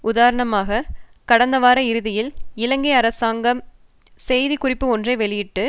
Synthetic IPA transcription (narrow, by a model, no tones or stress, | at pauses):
ʊðaːɾɐɳɐmaːɣɐkɐɽɐnd̪ɐʋaːɾɐɪɾɯðɪjɪlɪlɐŋɡɐɪɐɾɐsaːŋɡɐm | sɛjðikʊrɪpːɯɔndrɐɪʋɛɭɪjɪʈːɯ